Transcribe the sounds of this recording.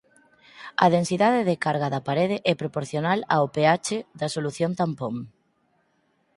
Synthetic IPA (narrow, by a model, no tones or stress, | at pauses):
ɐ̰ðensiðaðeðekaɾɣaðɐpaɾeðɪʔɛpɾopoɾθjonalaopeat͡ʃeðɐsoluθjont̪ampoŋ